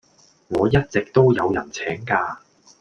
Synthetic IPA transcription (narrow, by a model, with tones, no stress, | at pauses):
ŋɔː˨˧jɐ˥t̚t͡sɪ˨k̚t̪o˥wjɐ˨˧wjɐ̰˨˩nt͡sʰɛː˨˥ŋkaː˧